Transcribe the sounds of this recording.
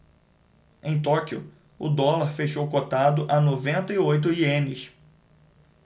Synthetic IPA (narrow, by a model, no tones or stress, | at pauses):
ẽj̃t̪ɔkiʊ̰ | ʊ̰d̪ɔlaɾfeʃowkot̪ad̪ʊʔɐnovẽnt̪ɐiojt̪ʊiẽnɪs